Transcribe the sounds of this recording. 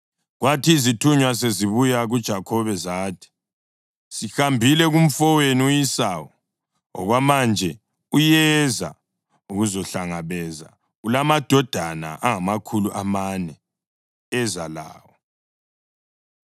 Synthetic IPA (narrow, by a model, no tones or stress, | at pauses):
ɣwatʰiːzitʰuɲwas̬eziβujaɣud̥ʒ̥ʱakʰɔβɛzaːtʰi̥ | sixambʱilɛɣum̩fɔweniujisawɔ | ɔ̰ɣwamand͡ʒʱɛ | ujɛza̰ | uɣuzɔɬaŋaβɛza̰ | ulamad̥ʱɔd̥ʱana̰ʔaŋamakʰuluʔamanɛ | ɛzala̰ːwɔ